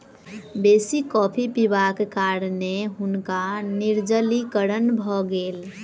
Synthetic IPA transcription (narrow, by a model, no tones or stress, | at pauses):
besikɔpʰipibakekaɾneɦunkaniɾd͡ʒəlikəɾənbʱɔɡeːl